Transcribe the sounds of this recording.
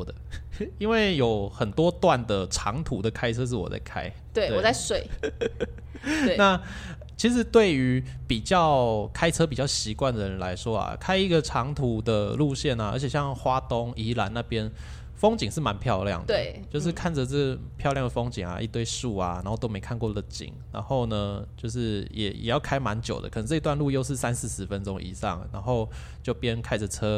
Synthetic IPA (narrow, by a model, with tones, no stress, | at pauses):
d̪ə˩i˦˥nwe˥˩ɪjo˨˩ʊxə˨˩nt̪wɔ˥t̪wa˥˨nd̪ə˩ʈ͡ʂʰɑ˧˥ŋt̪ʰu˨˥d̪ə˨kʰa˥ɪt͡sʰɤ˦˥ʂ̬ɻ̩˥˩wɔ̰˨˩t͡sa̰˥˩ɪkʰa̰˥ɪ | t̪we˥˩e˥˩wa˥˧ɪswe˥˨˩ɪ˧ | na˥˨ | t͡ɕʰi˧˥ʂ̬ɻ̩˧˥˦t̪we˥˩ɪy˧˥pi˨˩t͡ɕjɑ˥˩ʊkʰa˥ɪʈ͡ʂʰɤ˥p̬i˨˩t͡ɕjɑ˥˩ʊɕi˧˥kwa˥˩nd̪ə˩ɻə˧˦nla˧˥ɪʂwɔ˥a̰˨˩kʰa˥ɪi˧˥ɡə˨ʈ͡ʂʰɑ˧˥ŋt̪ʰu˨˧˥d̪ə˨lu˥˧ɕjɛ˥˩na˩ə̰˧˥t͡ɕʰjɛ˨˩ɕjɑ˥˧ŋxwa˥t̪o˦˥ŋi˧˥la˧˥˦nna˥˩pjɛ˦˥n | fo˥ŋt͡ɕi˨ŋʂɻ̩˥˩ma˨˧˦npʰjɑ˥˧ʊljɑ̰˥˩ŋd̪ə˥˧˦t͡ɕjo˥˧ʊʂ̬ɻ̩˥˧kʰa˥˩nd͡zə˩t͡sə˥˩ɡə˩ | pʰjɑ˥˧ʊljɑ˥˩ŋd̪ə˨fɔ˥ŋt͡ɕi˨˩ŋa̰˩ʔi˥˧t̪we˥˧ɪʂu˥˩a˩na̰˧nxo˥˩ʊt̪o˥ʊme˧˥ɪkʰa˥˧nkwɔ˥˩d̪ə˩t͡ɕḭ˨˩ŋna̰˧˦nxo˥˩ʊnə˩t͡ɕjo˥˧ʊʂ̬ɻ̩˥˩jɛ̰˨˩jɛ̰˨˩jɑ˥˩ʊkʰa˥ɪma˧˦nt͡ɕjo˨˩ʊd̪ə̰˦kʰə˨˩nə˧˦t͡sʈ͡ʂɤ˥˧i˧t̪wa˥˧nlu˥˧jo˥˧ʊʂɻ̩˥˩sa˦nsɹ̩˥˩ʂɻ̩˧˥fə˦nʈ͡ʂʊ˥ŋʔḭ˨˩ʂɑ̰˥˨ŋna̰˧˦˥nxo˥˩ʊ | t͡ɕjo˥˩ʊpjɛ˥˦nkʰa˥ɪd͡zə˨t͡sʰɤ˥